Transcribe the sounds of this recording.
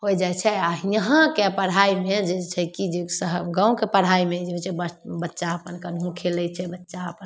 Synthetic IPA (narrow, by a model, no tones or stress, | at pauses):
ɦojd͡ʒajt͡ʃʰɛaijəɦə̃kepəɽ̤aimed͡ʒet͡ʃʰɛkid͡ʒesəɦɡãw̃kepəɽ̤ɦaimed͡ʒeet͡ʃʰɛbəbətːʃaəpənkənɦũkʰelɛjt͡ʃʰɛbətːʃaəpən